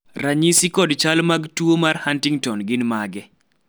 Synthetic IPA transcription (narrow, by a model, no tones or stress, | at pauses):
raɲisikɔdt͡ʃalmaɡtwomarhantɪŋtɔnɡɪnmaɡɛ